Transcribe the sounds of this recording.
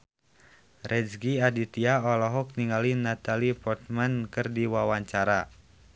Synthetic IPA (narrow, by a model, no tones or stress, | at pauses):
rʔɛd͡ʒɡiadit̪iaɔlɔɦɔk̚niŋalinat̪alipɔt̪̚mankɨrdiwawaɲt͡ʃaɾa